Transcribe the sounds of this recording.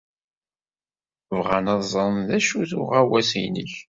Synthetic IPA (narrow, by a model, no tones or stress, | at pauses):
vʁanɑðzˤɑnðæʃuθʊ̰ʁæwæsijnə̰ç